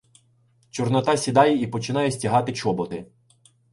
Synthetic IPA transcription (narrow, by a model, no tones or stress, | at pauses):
t͡ʃɔrnɔt̪ɑsʲid̪ɑjɛipɔt͡ʃɪn̪ɑjɛsʲtʲiɦɑt̪ɪt͡ʃɔbɔt̪ɪ